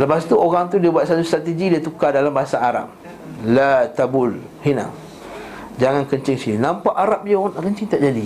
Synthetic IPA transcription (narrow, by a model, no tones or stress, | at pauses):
ləpast̪uoɣaŋt̪̬udiəbuat̪̚sat̪ust̪ɾat̪əɡidiat̪ukadalambaɦasaːɾa̰p̚ | lat̪abʊl | hina̰ | d͡ʒaŋankəɲt͡ʃɪŋsininãmpaʔaɾap̚iɣanaʔkənt͡ʃiŋt̪aʔd͡ʒadi